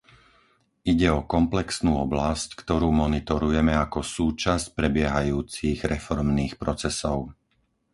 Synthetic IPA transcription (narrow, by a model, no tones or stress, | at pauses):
iɟɛɔkɔmplɛksnuːɔblasckt̪ɔɾuːmɔnit̪ɔɾujɛmɛakɔsuːt͡ʃasc̚pɾɛbɪɛɦajuːt͡siɣɾɛfɔɾmniːxpɾɔt͡sɛsɔʊ